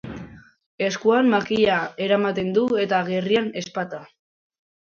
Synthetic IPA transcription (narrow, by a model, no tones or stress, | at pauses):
e̞skuanmakiʎae̞ɾamat̪e̞nd̪ue̞t̪aɣe̞riane̞spat̪a